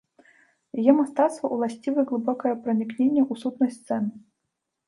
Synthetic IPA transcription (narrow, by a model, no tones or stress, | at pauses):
jjɛmast̪at̪st̪vɐʔulˠasʲt͡sʲivɨɣlˠɨbɔkɐjɐpɾɐnʲiknʲenʲːɛʔusut̪nɐjst̪sɛnɨ